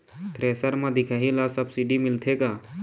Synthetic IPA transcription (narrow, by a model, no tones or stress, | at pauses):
t̪ɾeːsəɾmãd̪ɪkʰaːɦilasəbsiɖimɪlt̪ʰekaː